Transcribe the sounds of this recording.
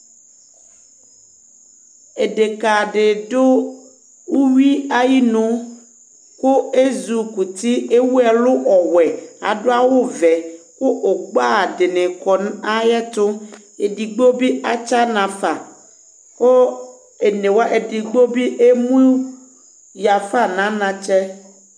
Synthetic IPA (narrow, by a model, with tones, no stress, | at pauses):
e˨ɖe˨ka˨ɖɪ˨ɖo˦ | wu˦wi˦a˦ji˦nũ˦ | kʊ˦e˦zu˨ku˨t̪i˦e˦wu˦ɛ˨lʊ˦ʔɔ˨wɛ˨a̰˨ɖo˦a˦wo˦vɛ˨kʊ˦ʔo˨ɡ͡ba˦˨dɪ˨nɪ̃˨kɔ˨n˦a˦jɛ˦t̪ʊ˦ | e˨di˨ɡ͡bo˦bi˦ʔa˦t͡ʃa˦nã˨fa˨ | ko˦ | e˨nẽ˨wa˦ʔe˨di˨ɡ͡bo˦bi˦ʔe˦mũ˦ | ja˨fa˦˨nã˨˦nã˨t͡ʃɛ˦